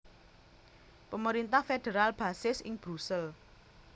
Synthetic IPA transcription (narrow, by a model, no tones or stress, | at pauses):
pəməɾint̪ahfeɖ̥eɾalb̥a̤sɪsɪ̰ŋb̥ɾusəl